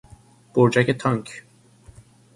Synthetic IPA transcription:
b̥oɾd͡ʒæket̪ʰɒŋkʰ

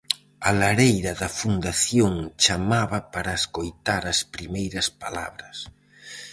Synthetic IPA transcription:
alaɾejɾɐðɐfund̪aθjoŋt͡ʃamaβɐpaɾɐeskojt̪aɾɐspɾimejɾɐspala̰βɾɐs

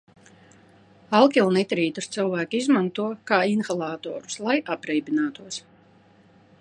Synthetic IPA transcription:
alˠkʲilˠnit̪ɾiːt̪ust̪sɨlˠvæːkiizmant̪uɔkaːinxalˠaːt̪ɔ̰ːɾu̥slˠajʔapɾɛjbinaːt̪uɔs

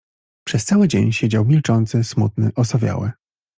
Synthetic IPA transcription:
pʂɛst̪sawɘd͡ʑeɲɕed͡ʑawmʲilt͡ʂɔnt̪sɘsmut̪̚nɘ̰ʔɔsɔvʲja̰wɘ

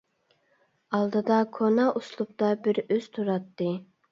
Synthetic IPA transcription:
ɑlˠd̪ɨd̪ɑkʰonɑʔuslˠup̚t̪ɑbɪɾøz̥t̪ʰuɾɑt̪ːɨ

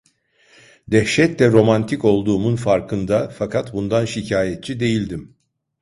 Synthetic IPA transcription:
d̪ɛhʃɛt̪lʲɛɾo̞mant̪ʰiko̞lˠd̪uːmunfaɾkʰɯnd̪afakʰat̪bund̪anʃicʰaːjɛt̪̚t͡ʃʰid̪e̞jilʲd̪im

